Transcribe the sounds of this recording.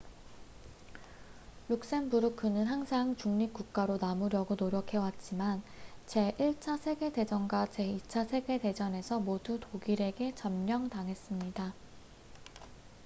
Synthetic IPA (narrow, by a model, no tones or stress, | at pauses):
juk̚s͈enbuɾukʰɯnɯnɦaŋsʰaŋt͡ɕuŋɲip̚k͈uk̚k͈aɾonamuɾjʌɡonoɾjʌkʰe̞wat̚t͡ɕ͈imant͡ɕe̞ʔiɭt͡ɕʰasʰe̞ɡe̞de̞d͡ʑʌnɡwat͡ɕe̞it͡ɕʰasʰe̞ɡe̞de̞d͡ʑʌne̞sʰʌmodutoɡiɾe̞ɡe̞t͡ɕʌmɲʌŋtaŋɦe̞s͈ɯmɲida